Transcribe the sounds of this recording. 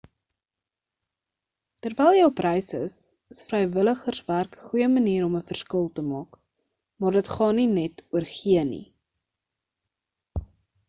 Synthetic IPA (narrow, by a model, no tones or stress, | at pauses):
tərvɛjlˠjəwprɛjsə̰s | əsfrəjvələχərsværkəχujəməniːɾɔməfərskəlˠtəmɑːk | mɑːrdətχɑːninɛtuərχiənḭ